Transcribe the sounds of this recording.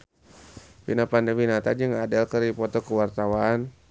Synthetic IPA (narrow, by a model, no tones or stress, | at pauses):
pinapandəminat̪ad͡ʒəŋadalkəɾipɔt̪ɔkəwart̪awaːn